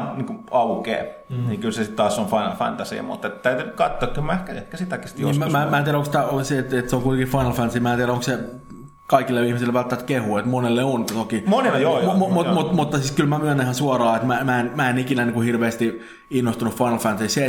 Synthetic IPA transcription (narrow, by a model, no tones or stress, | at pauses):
niːŋkuɑukḛː | niːkylsesit̪t̪ɑːsːonfɑinɑ̰lfɑ̰nt̪æsḭɑ̰mṵt̪ːet̪t̪æyt̪ynytkɑt̪ːoɑːkkylmæehkæet̪kæsit̪ːɑkːest̪joiːsmmæːmæːt̪iæɾæokst̪æoset̪et̪seoŋkuit̪ekifɑinɑlfænsiːmæːt̪iæɾæoŋkse | kɑikilːeihmisilʋælt̪ːæmt̪kehuet̪monelːeont̪okimonenɑjommumutmut̪mut̪ːɑsiːskylmæmyænihɑnsuɑrɑːet̪mæmæenmæenikinæniːŋkuhirʋeːst̪i | inːost̪unuffɑinɑlfænt̪sise